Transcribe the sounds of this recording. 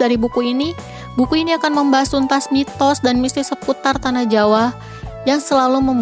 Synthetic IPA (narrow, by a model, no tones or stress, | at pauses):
daɾibukuini | bukuiniakanməmbaɦasunt̪asmit̪ɔsdanmist̪ɪsəput̪art̪anahd͡ʒawah | jaŋsəlaluməmb